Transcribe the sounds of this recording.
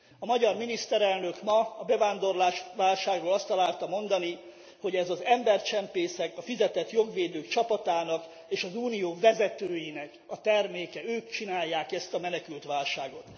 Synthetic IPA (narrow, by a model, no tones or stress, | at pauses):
ɒmɒɟɒrminist̪ɛɾɛlnø̞kmɒːbɛvaːnd̪o̞rlaːʃʋaːlʃaːɡroːlɒst̪ɒlaːlt̪ɒmo̞nd̪ɒni | ho̞ɟɛzɒzɛmbɛrt͡ʃɛmpeːsɛkɒfizɛt̪ɛt̪jo̞ɡʋeːd̪øːkt͡ʃɒpɒt̪aːnɒk | eːʃɒzuːnijoːvɛzɛt̪øːjinɛk | ɒt̪ɛrmeːkɛøːkt͡ʃinaːjːaːkɛst̪ɒmɛnɛkylt̪ʋaːlʃaːɡo̞t̪